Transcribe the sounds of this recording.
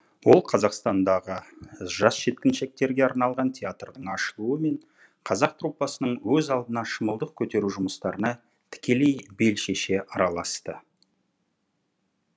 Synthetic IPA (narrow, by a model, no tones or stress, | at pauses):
wo̞lˠqʰɑzɑqst̪ɑnd̪ɑʁəʒɑsʃe̞t̪kʲɪnʃe̞k̚t̪e̞ɾɡʲe̞ɑɾnɑlˠʁɑnt̪ʲʰeat̪rd̪əɴɑʃəlˠuəme̞ɴ | qʰɑzɑq̚t̪rupːɑsənəɴwɵzɑlˠd̪ənɑʃəməlˠd̪əq̚kʲʰɵt̪e̞ɾuʒʊməst̪ɑɾənɑ | t̪ʰɪ̥kʲe̞le̞jbe̞lʃe̞ʃe̞ʔɑɾɑlˠɑst̪ə